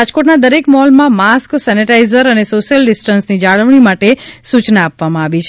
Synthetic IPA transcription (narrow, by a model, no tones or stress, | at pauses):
ad͡ʒkoʈnad̪əɾekmɔɦlmãmasksɛniʈaizəɾənesoʃjəlɖisʈənsnid͡ʒaɭəʋɳ̃imaʈesut͡ʃnaːpʋamãaʋit͡ʃʰ